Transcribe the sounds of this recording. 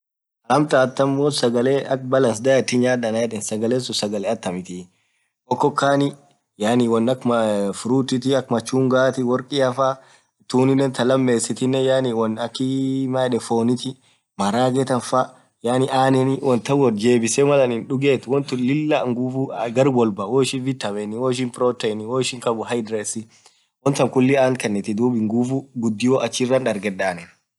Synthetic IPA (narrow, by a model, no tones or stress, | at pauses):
ɐlɐmt̪aːt̪ːɐmːoːsɐɡɐleːʔɐk̚bɐlɐns̬d̪ɐjɐt̪ːɪɲaːᶑɐnajɛᶑɛnsɐɡɐleːsʊsɐɡɐlɛɐt̪ːɐmɪt̪ɪ | ʔɔkːɔkːaːnɪ | jaːniwɐnːɐkmɐfʊɾuːt̪ːɪt̪ɪɐkmɐt͡ʃːuːŋɡaːt̪ɪwɔɾkʼɪɐfa | t̪uːnɪnɛnt̪ɐlɐmːe̞ːsɪt̪ɪnːɛjaːnɪwɐnɐkːɪmaɛᶑɛfoːnɪt̪ɪ | mɐɾaːɡɛt̪ɐnfa | jaːnɪʔaːnɛnɪwɔnt̪ɐwɔnd͡ʒeːbɪsɛmɐlɐnɪnᶑʊɡeːt̪wɔnt̪ɪlɪlːaŋɡuːfuɡɐɾbɔlbɐwoːɪʃɪnvɪt̪ːɐmɛnɪwɔːɪʃ̬ɪnpɪɾɔt̪ɛjnɪwoːɪʃɪŋkɐbʊhɐjd̪ɾeːsɪ | wɔnt̪ɐŋkʊlːɪaːnkɐnːɛt̪ɪd̪uːbɪŋɡufuɡʊd̪ːɪjoːʔɐt͡ʃːɪrːɐnᶑɐɾɡɛdaːnɛn